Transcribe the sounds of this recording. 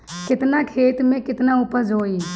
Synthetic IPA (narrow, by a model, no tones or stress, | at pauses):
kɪt̪naːkʰeːt̪mẽːkɪt̪naːʊpəd͡ʒoːiː